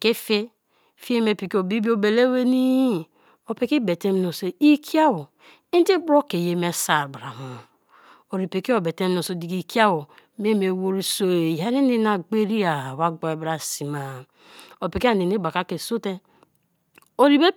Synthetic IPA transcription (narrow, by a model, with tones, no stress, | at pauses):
ke˦fe˦ | fi˦e˦me˨pi˨ki˦o˨bi˦bi˦o˦be˨le˦we˦ni˦ | o˨pi˨˦ki˦be˨te˦m˦no˨se˨i˦kʰi˦a˦wo˨ | i˦i˦bɾo˦ke˨je˨me˨sa˨ɾbɾa˨ma˨ | o˨ɾi˨pe˨ke˦o˨be˨te˦m˦no˨so˨di˨ki˨ki˦a˦wo˨mi˦e˦me˨wo˦ɾi˦so˨ja˨˦ɾi˦ni˦na˨ɡ͡be˦ɾi˦a˨wa˦ɡ͡bo˨e˨bɾa˨si˨ma˨ | o˨pi˨ki˦a˦˨ni˨ni˦ba˨ka˦ke˨so˦te˦ | o˨ɾi˨be˦